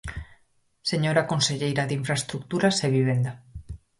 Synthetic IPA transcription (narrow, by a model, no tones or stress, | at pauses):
seɲoɾakonseʎejɾaðiɱfɾaest̪ɾuk̚t̪uɾaseβ̞iβ̞end̪a